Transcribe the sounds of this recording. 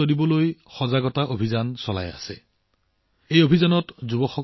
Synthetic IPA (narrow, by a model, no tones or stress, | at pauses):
odibɔlojxɔzaɡɔtaʔobʱizansɔla̰ja̰sɛ | ejobʱizanɔtzubɔxɔ